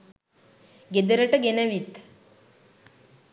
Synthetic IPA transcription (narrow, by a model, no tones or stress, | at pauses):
ɡed̪əɾəʈəɡenəʋit̪